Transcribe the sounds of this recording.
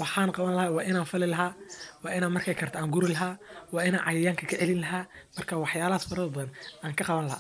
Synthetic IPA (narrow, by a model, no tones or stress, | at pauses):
wɑħɑːnqɑβɐnlɐhaːwɑːʔɪnaːnfɪlɪlɐɦaːwɑːɪnaːnmɐrkʰɛjkʰɐrt̪ʰaːŋɡʊɾɪlɐɦaːwɑːɪnaːnʕɑjɐjaːŋkʰɐkʰɐʕɛlɪnlɐɦaːmɐrkʰaːwɑħjaːlɐhaːsfɐɾɐðɐbɐðɐnʔaːŋkʰɐqɑβɐnlɐha̰ː